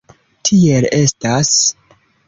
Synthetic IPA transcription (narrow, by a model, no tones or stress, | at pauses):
tʰie̞le̞stas